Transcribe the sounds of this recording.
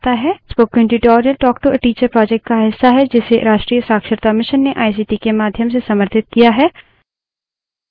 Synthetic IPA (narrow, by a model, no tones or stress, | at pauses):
t̪aɦɛspoːkːɛ̃ɳʈiʈɔːɾijəlʈɔːkʈoəʈiːt͡ʃəɾpɾɔːd͡ʒɛk̚ʈ̚kaɦɪsːaɦɛd͡ʒɪseɾaːʃʈɾiːjəsaːkʃəɾt̪amɪʃənːeʔaːis̬iːʈikemaːd̪ʱjəmsesɐməɾt̪ʰɪt̪̚kijaɦɛː